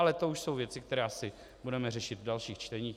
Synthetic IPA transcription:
alɛt̪ouʃsowvjɛt͡sɪk̚t̪ɛɾɛːsɪ | budɛmɛrɛʃɪt̪dalʃiːxt͡ʃt̪ɛɲiːx

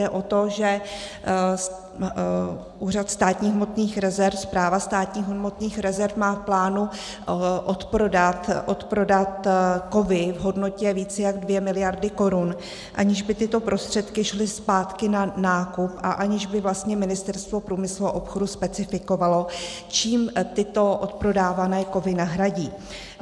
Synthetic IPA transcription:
ɛʔo̞t̪o̞ʒɛ | ʔuːr̝at̪st̪aːt̪ɲiːɦmo̞t̪niːxɾɛzɛɾfspɾaːvast̪aːt̪ɲiːɦmot̪niːxɾɛzɛɾfmaːfplaːnu | ʔot̪pɾodat̪ʔot̪pɾo̞dat̪ko̞vɪvɦo̞dno̞cɛviːt͡sɛjaɡdvjɛmɪlɪjaɾdɪko̞ɾun | ʔaɲɪʒbɪt̪ɪt̪o̞pɾʔo̞st̪r̝̥ɛt̪kɪʃlɪspaːt̪kɪnanaːkupʔaʔaɲɪʒbɪvlast̪ɲɛmɪnɪst̪ɛɾst̪vo̞pɾuːmɪsluaʔopxo̞duspɛt͡sɪfɪko̞valo̞ | t͡ʃiːmt̪ɪt̪o̞ʔot̪pɾo̞daːvanɛːko̞vɪnaɦɾaɟiː

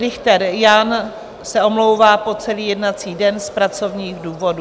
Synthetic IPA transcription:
ɾɪxt̪ɛɾjan | sɛo̞mlowvaːpo̞t͡sɛliːjɛdnat͡siːdɛnspɾat͡so̞vɲiːɣduːvo̞du

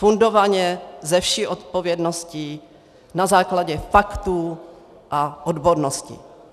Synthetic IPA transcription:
fundo̞vaɲɛzɛfʃiʔot̪po̞vjɛdnosci | nazaːklaɟɛfakt̪uː | ʔaʔodbodnoscɪ̰

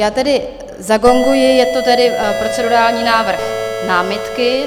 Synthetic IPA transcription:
jaːt̪ɛdɪ | zaɡo̞ŋɡujɪjɛt̪ot̪ɛdɪpɾot͡sɛdoɾaːlɲiːnaːvr̩xnaːmɪt̪kɪ

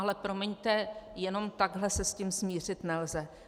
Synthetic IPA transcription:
alɛpɾomɛɲt̪ɛjɛno̞mt̪aɡɦlɛsɛscimsmiːr̝ɪt̪nɛlzɛ

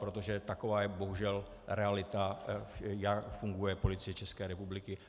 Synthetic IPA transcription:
pɾot̪o̞ʒɛt̪akovaːjɛbo̞ɦuʒɛl | ɾɛalɪt̪a | jakfuŋɡujɛpo̞lɪt͡sɪjɛt͡ʃɛskɛːɾɛpublɪkɪ

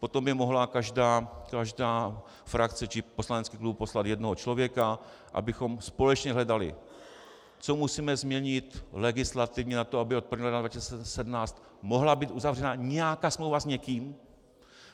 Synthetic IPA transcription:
po̞t̪o̞mbɪmo̞ɦlakaʒdaːkaʒdaː | fɾakt͡sɛt͡ʃɪpo̞slanɛt͡skiːklubpo̞slat̪jɛdnoɦot͡ʃlo̞vjɛka | ʔa̰bɪxo̞mspo̞lɛt͡ʃɲɛɦlɛdalɪ̰ | t͡so̞musiːmɛzmɲɛɲɪt̪lɛɡɪslat̪ɪvɲɛnat̪oabɪot̪pɾvɲiːɦlnad̪vacisisɛɛsɛdmnaːt͡st̪ | mo̞ɦlabiːt̪ʔuzavr̝ɛnaɲɛjakaːsmlowvazɲɛkiːm

